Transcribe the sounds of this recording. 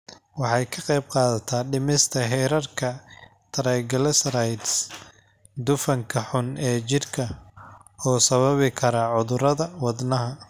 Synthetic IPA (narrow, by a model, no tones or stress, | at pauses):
wɑħɑjkʰɐqɑjb̚qɑːðɐt̪ʰaːɖɪmɪst̪ʰɐɦɛːɾɐrkʰɐ | t̪ʰɐɾɛɡɐlɛsɾajd̪s | d̪ʊfɐŋkʰɐħʊnɛːt͡ʃɪrkʰɐ | ɔːsɐβɐβɪkʰɐɾɐʕʊðʊɾɐðɐwɑd̪nɐɦɐ